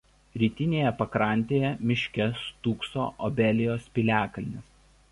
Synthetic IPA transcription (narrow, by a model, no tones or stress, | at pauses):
ɾʲiːt̪ʲɪnʲeːjɛpɐkɾɑˑnʲt̪ʲeːjɛmʲɪʃʲkʲɛst̪uːkso̰ːʔɔbʲɛlʲɪjoːspʲɪlʲæːkɐlʲnʲɪs